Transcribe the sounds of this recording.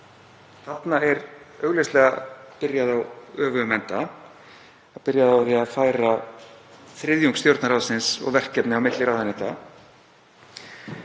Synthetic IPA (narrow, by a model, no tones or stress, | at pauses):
θat̪naɛɾœɣlɛst̪lɛːɣa̰pɪɾjaθawœːvʏmɛnt̪a | apɪɾjaθawɾiafaːjɾa | θɾɪðjuŋkst̪jowɾt̪naɾawðsɪnsɔ̰ɣvɛr̥kːɛpnɪawmɪt̪lɪɾaːwðanɛt̪a